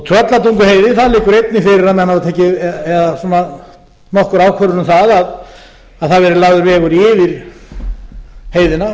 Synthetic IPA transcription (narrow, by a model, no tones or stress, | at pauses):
t̪ʰɾœt̪lat̪uŋkʏɦeːjðɪθaðlɪːkʏɾejt̪nɪfɪɾɪɾaðmɛnhavt̪ʰɛːhcɪɛɛðasuːna | nɔhkʏɾaːwkʰvœɾʏɾnʏmθaðað | aðθaðvɛɾɪlaːɣðʏɾvɛːɣʏɾɪːvɪɾ̥ | heːjðɪna